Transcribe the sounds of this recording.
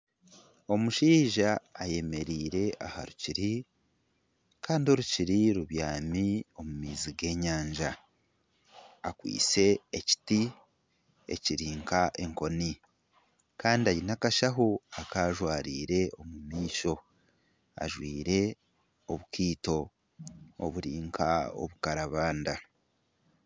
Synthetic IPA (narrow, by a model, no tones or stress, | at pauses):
o̞muʃiːʒaːje̞me̞ɾiːɾe̞ʔaha̰ɾuciɾi | kʰaːndio̞ɾuciɾiɾuβjaːmio̞mumiːziɡe̞ːɲaːɲʒa | kwḭːt͡se̞eci̥ti | e̞̰ciɾiːŋkaʔe̞ŋko̞ni | kaːndiaɾinakaʃaɦoakaːʒwaːɾiːɾe̞o̞mumiːʃo̞ | a̰ʒwiːɾe̞ | oβukiːto̞ | o̰βuɾiːŋkʰa̰o̞̰βukaɾaβaːnda